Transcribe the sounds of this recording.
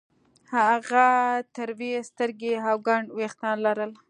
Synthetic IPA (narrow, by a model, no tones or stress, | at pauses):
haɣat̪əɾwest̪əɾɡeɦawɡaɳɖwext̪ɑnlaɾəl